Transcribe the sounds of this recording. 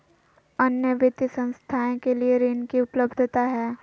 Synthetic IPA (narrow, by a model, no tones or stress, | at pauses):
ɐnjəʋɪt̪isə̃ñst̪ʰaːẽkelieɾeːnkiʊpləbd̪ʱt̪aɦɛː